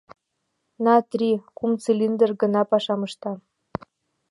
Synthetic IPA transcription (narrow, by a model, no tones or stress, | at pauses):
nɑt̪rʲikumt͡selʲind̪ə̆rɡɤ̆nɑpɑʃɑmɤ̆ʃt̪ɑ